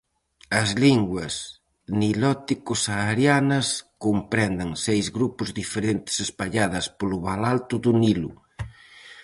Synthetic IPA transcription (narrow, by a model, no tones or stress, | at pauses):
ɐzliŋɡwɐs | nilɔt̪ikʊsaɾjanɐskompɾɛnd̪ɐŋsejzɣɾupʊzðifeɾent̪ɪ̥sespaʎaðɐspolʊβalalt̪ʊðʊnilu